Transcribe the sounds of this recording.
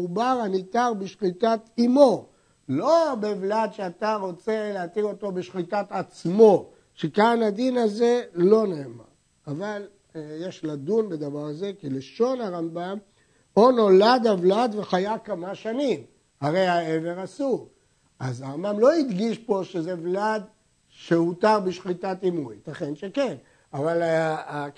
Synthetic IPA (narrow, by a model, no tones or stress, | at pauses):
ubaʁanit̪aʁbiʃχit̪at̪imo̞ | lo̞bevlad̪ʃeat̪aʁo̞t͡se̞leat̪iʁo̞t̪o̞beʃχit̪at̪at͡smo̞ | ʃekanad̪inazelo̞neːma̰ʁ | aval | jeʃlad̪unbe̞d̪avaʁze̞kileʃo̞naʁambam | o̞no̞lad̪avlad̪ve̞χajakamaʃanim | haʁe̞jhae̞veʁasuʁ | azaʁambamlo̞id̪ɡiʃpo̞ʃezevlad̪ | ʃehutaʁbiʃχit̪atimujt̪aχenʃeke̞n | avala